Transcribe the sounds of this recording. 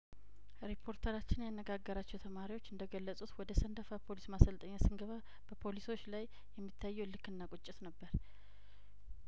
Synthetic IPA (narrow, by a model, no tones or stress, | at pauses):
ɾipʰo̞ɾt̪ʰəɾat͡ʃːɪnjanːəɡaɡːəɾat͡ʃːɛwt̪ʰəmaɾiwo̞t͡ʃːɨnd̪əɡəlːəsʼut̪wɔd̪əsənd̪əfapʰo̞lismasəlt̪ʰʼəɲːasɨŋɡəβa | b̥əpʰo̞liso̞t͡ʃːlajːɛmːit̪ʰːajːɛwlɨkːɨnːakʼʊt͡ʃʼːɪt̪nəbːəɾ